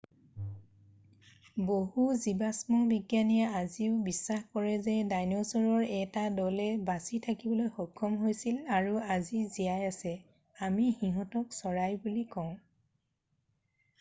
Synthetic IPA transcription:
boɦuzibasmɔbiɡjanijaaziʊbisːaxkɔɹɛzɛdajnɔsɔɹɔɹɛtadɔlɛbasitʰakibɔlojxɔkʰːɔmɦojsilaɹuazizijajasɛ | amihiɦɔtɔksɔɹajbulikɔʊ̃

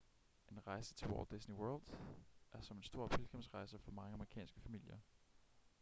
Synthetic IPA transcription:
ʔe̝nʁɑ̈ɪsə̥t͡sʰeʋɒ̰ld̥esniwɜɐld̥ʔæɐsɒ̽me̝nsd̥o̝ɐ̰pʰelɡ̥ʰɑmsʁɑ̈ɪsəfɒ̽mɑ̈ŋəɑməʁikʰɛ̰ːnsɡ̥əfæmil̰jɐ

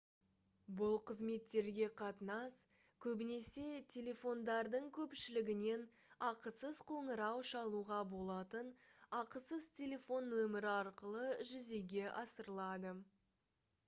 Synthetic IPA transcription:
bʊlˠqʰəzme̞t̪ːe̞ɾɡʲe̞qʰɑt̪ənɑs | kʲʰɵbɪne̞se̞t̪ʲʰe̞lʲe̞fo̞nd̪ɑɾd̪əɴkʲʰɵpʃɪlɪɡʲɪne̞n | ɑqəsəz̥qʰoɴəɾɑwʃɑlˠuʁɑbo̞lˠɑt̪ənɑqəsəzt̪ʲʰe̞lʲe̞fo̞nːɵmɪɾɪɑɾqəlˠəʒʏze̞ɡʲe̞ʔɑsəɾəlˠɑd̪ə

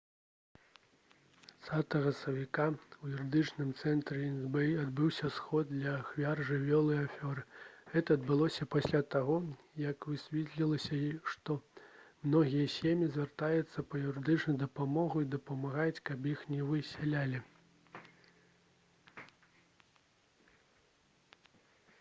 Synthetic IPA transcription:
t̪sat̪ɐɣɐsɐvʲikaujuɾɨd̪ɨt͡ʂnɨmt̪sɛnt̪ɾɛinzbɛad̪bɨwsʲɐsxɔd̪̚d̪lʲɐxvʲarʐɨvʲɔlˠɨjafʲɔɾɨɣɛt̪ɐːd̪̚bɨlˠɔsʲɐpasʲlʲat̪aɣɔ | jɐkvɨsʲvʲɛt̪lʲilˠɐsʲɐiʂt̪ɔmnɔɣʲijɐsʲemʲjizʲvʲɛrt̪ajɛt̪sːɐpɐjuɾɨd̪ɨt͡ʂnɐjd̪ɐpamɔɣuid̪ɐpɐmaɣat͡sʲkɐpjixnʲɛvɨsʲalʲalʲi

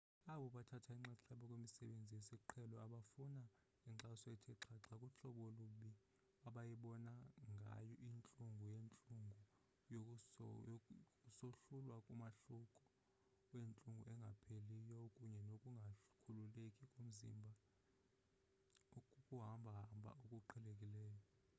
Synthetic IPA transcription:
aɓɔɓatʰatʰaiŋ͡ǃaǁʰaɓɔkʼwemisɛɓend͡zʱijesiǃʰɛlɔaɓafuna | iǁasɔɛtʰɛǁʰaǁʰakʼuɬɔɓɔluɓi | aɓajiɓɔnaŋɡʱa̰jɔʔint͡ɬʼuŋɡʱujent͡ɬʼuŋɡʱu | jokʼ | soɬulwakʼumaɬukʼɔ̥ | went͡ɬʼuŋɡʱṵɛŋɡʱapʰelijɔokʼuɲɛnokʼuŋɡʱakʰululekʼikʼum̩zḭmbʱa | oukʼuɦambʱaɦambʱa̰ʔokʼuǃʰɛlekʼilɛːjɔ

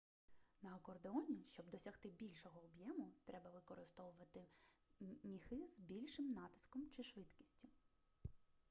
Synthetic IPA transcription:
nɐɐkɔrd̪eɔnʲiʃt͡ʃɔbd̪ɔsʲɐxt̪ɪbʲilʲʃɔɦɔːbjɛmʊt̪ɾɛbɐʋɪkɔɾɪst̪ɔʋʊʋɐt̪ɪ | mʲixɪzbʲilʲʃɪmnɑt̪ɪ̥skɔmt͡ʃɪʃʋɪt̪kʲi̥sʲtʲʊ

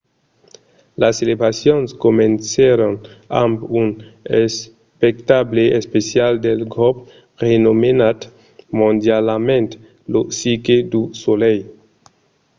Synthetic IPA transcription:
laselebɾasjonskoment͡seɾona̰mbunes | pektableʔespesjaldelɡop | ʁenomenat̪ | mõndjalamẽnt̪ | losikedusolej

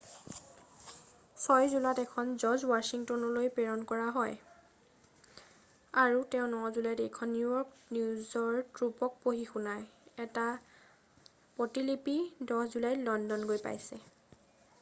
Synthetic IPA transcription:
sɔjzulatɛkʰɔnzɔzwasiŋtɔnɔlojpɛɹɔnkɔɹaɦɔj | aɹutɛʊ̃nɔzulajtejkʰɔnːujɔɹknuzɔɹtɹupɔk̚poɦixunajɛta | pɔtilipidɔhzulajlɔndɔnɡojpa̰jsɛ

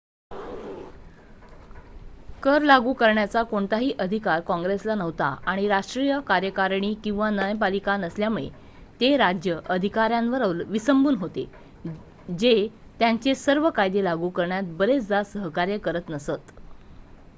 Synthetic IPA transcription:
kəɾlaɡuːkəɾɳjat͡sakoɳt̪aɦiːʔəd̪ʱikaɾkɔ̃ŋɡɾeslanəʋt̪a̰aɽ̃iɾaʂʈɾijəkaɾjəkaɾɳiːkĩw̃ʋanəjp̬alikanəsljamuɭḛ | t̪eɾad͡ʑjəʔəd̪ʱikaɾjãnʋəɾawlʋisəmbuːnɦot̪ḛ | d͡ʑe | t̪jaɲt͡ɕesəɾʋəkajd̪elaɡuːkəɾɳjat̪̚bəɾet͡sd͡zasəɦkaɾjəkəɾət̪nəsət̪

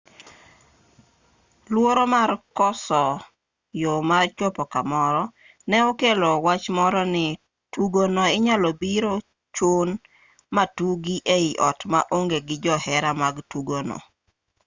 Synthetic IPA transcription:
lwoɾomarkɔsɔ | jomart͡ʃopɔkamɔɾɔ | nɛokelowat͡ʃmɔɾɔnɪ | tuɡonɔɪɲalɔbiɾo | t͡ʃon | matuɡiʔeiʔɔtma̰ʔoŋɡeɡɪd͡ʒɔhɛɾamaɡtuɡonɔ̰

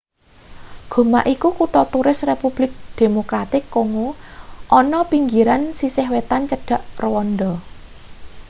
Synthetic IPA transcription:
ɡ̥o̤maʔikukuʈɔt̪uɾɪsrepub̥lɪk̚d̪̥e̤mokɾat̪ɪkːoŋuʔɔnɔpiŋɡiɾansisɪhwet̪ant͡ʃəɖ̥ä̤ʔrwɔnɖ̪ɔ

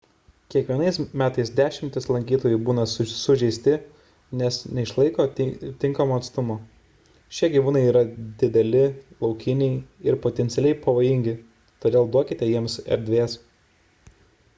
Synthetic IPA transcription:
kʲiɛkʋʲiɛɐɪsmʲæːt̪ɐɪsd̪ʲæːʃʲɪmʲt̪ʲɪslˠɐŋʲkʲiːt̪oːjʊɪbuːnɐsʊʒʲɛɪsʲt̪ʲɪ | nʲɛsnʲɛɪʃlˠɐɪkoːt̪ʲɪŋkɐmoːɐt̪st̪ʊmoː | ʃʲiɛɡʲiːʋuːnɐɪiːɾɐd̪ʲɪd̪ʲɛlʲɪlˠɒʊkʲɪnʲɛɪɪɾpoːt̪ʲɛnt̪ʲɪɛlʲɛɪpɐʋoːjɪŋʲɡʲɪ | t̪oːd̪ʲeːlˠd̪uɔkʲɪt̪ʲɛjiɛmsɛ̰ɾʲd̪ʲʋʲeːs

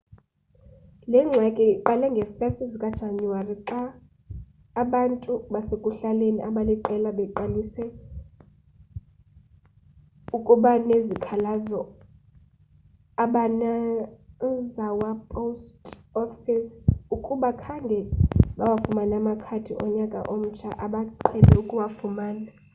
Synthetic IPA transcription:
lɛŋ͡ǀʱakʼɛǃalɛŋɡʱɛfɛstʼizikʼad̥ʒ̥ʱaɲuwariǁa | ɓantʼuɓasekʼuɬaleniʔaɓaliǃɛlaɓɛǃaliswɛ | ukʼuɓanezikʰalazɔ | aɓana | zawapʼostʼɔfisukʼuɓakʰaŋɡʱɛɓawafumanamakʰatʰiʔɔɲakʼa̰ʔom̩t͡ʃʰaʔaɓaǃʰɛlɛukʼuwafumaːna

